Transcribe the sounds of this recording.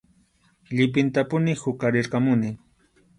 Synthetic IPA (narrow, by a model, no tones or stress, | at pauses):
ʎɪp̬ɪnt̪apʊnɪhʊkaɾɪɾkamʊnɪ